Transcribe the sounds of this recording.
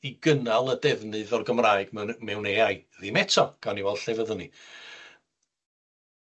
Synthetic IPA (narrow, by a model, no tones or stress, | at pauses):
iɡənalˠədɛvnɨðɔrɡəmraːɨɡ̥mmɛwneːajðimɛtʰɔɡ̥aniwɛlˠɬɛvəðəni